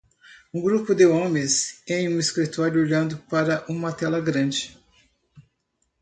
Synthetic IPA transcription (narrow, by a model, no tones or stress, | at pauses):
ũɡɾupʊd̪eõmẽsẽj̃ũiskɾit̪ɔɾjʊoʎɐ̃nd̪ʊpaɾɐʔũmɐt̪ɛlɐɡɾɐ̃d͡ʒɪ